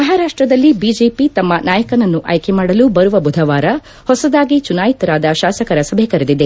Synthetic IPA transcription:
mɐɦaːɾaːʂʈɾɐd̪ɐlːibiːd͡ʒeːpit̪ɐmːɐnʔaːjɐkɐnɐnːuʔɐ̰jkʰemaːɽɐlubɐɾuʋɐbud̪ʱɐʋaːɾɐ | hɔsɐd̪aːɡit͡ʃunaːjit̪ɐɾaːd̪ɐʃaːsɐkɐɾɐsɐbʱekɐɾɐd̪id̪e

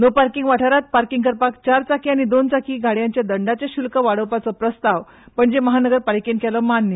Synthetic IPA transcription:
nopaɾkiŋɡʋaʈʰaɾat̪̚paɾkiŋɡkəɾpakt͡ɕaɾt͡sakiañid̪ont͡sakʰiːɡʱaɽjãɲt͡ɕjad̪əɳɖat͡ɕaɕulkəʋaɽəʋpat͡sɔpɾəst̪aʋ | pəɳd͡ʑeməɦanəɡəɾpaɾkenkʰɛlɔmanːjə

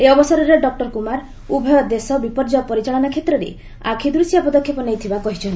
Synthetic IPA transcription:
eɔbɔsɔɾɔɾeɖɔk̚ʈɔɾkumaɾ | ubʱɔjɔd̪esɔbipɔɾd͡ʒɔpɔɾit͡ʃaɭɔnakʰet̪ɾɔɾḛ | a̰kʰid̪ɾusijapɔd̪ɔkʰjɔpɔnejt̪ʰibakɔɦit͡ʃʰɔn

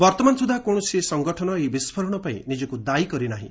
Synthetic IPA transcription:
bɔɾt̪ɔmansud̪ʱakoɳ̃ɔsiesɔŋɡɔʈʰɔnɔebispʰɔɾɔɽ̃ɔpaĩnid͡ʒɔkud̪ajkɔɾinaɦḭ̃

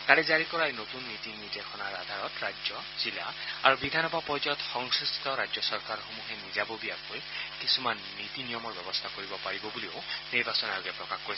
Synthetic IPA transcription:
kalɛzaɹikɔɹajnotunːitinitɛxʰɔnaɹad̪ʱaɹɔtɹaɔ | z̥ilaaɹubid̪ʱanɔbapɔɹzɔjɔtxɔŋsɹustʰɔɹad͡ʒjɔsɔɹkaɹxomuɦɛnizabobiakojkisumanːitinijɔmɔɹbɛbɔstʰakoɹibɔpaɹibɔbulioniɹbasɔnajɔɡɛpɹɔkaxkoɹis

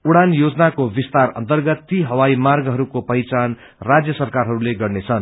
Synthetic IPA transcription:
uɽanjod͡zʌnakobist̪arʌ̰nt̪ʌrɡʌt̪ːiɦʌwaimarɡɦʌɾukopʌjt͡san | rad͡zjʌsʌrkaɾɦʌɾuleɡʌrnet͡sʰʌn

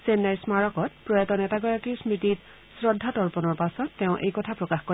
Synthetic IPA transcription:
senːaɹsmaɹɔkɔt̚pɹɔjatɔnɛtaɡɔjakiɹsmitit | sɹɔdʱːatɔɹpɔnɔɹpasɔtːɛʊ̃ʔḛjkɔtʰapɹɔkaxkɔ

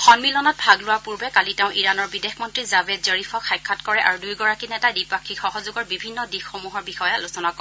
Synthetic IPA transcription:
xɔnmilɔnɔt̚bʱaɡlʊwaɹpuɹbɛkaliteʊ̃ʔiɹanɔɹbidexmɔntɹizabɛdzɔɹipʰɔxajkʰːatkɔɹɛʔa̰ɹudujɡɔɹakinɛtajdipakʰːixɔɦɔzuɡɔɹbibʱinːɔdixxomuɦɔɹbixɔjɔalusɔnakɔ

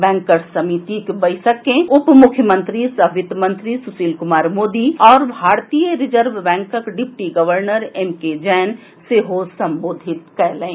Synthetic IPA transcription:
bɛ̃ːŋkəɾsəmit̪ikbɐɪsəkẽʊpmʊkʰjəmə̃nt̪ɾisɐʋɪt̪mə̃nt̪ɾisʊsiːlkʊmaːɾmoːd̪iɔːɾbʱaːɾt̪ijəɾɪd͡ʒəɾʋbɛ̃ːŋkəkɖɪpʈiɡəʋəɾnəɾemked͡ʒɛːn | seɦosɐ̃mboːd̪ʱɪt̪kɛɾlẽː

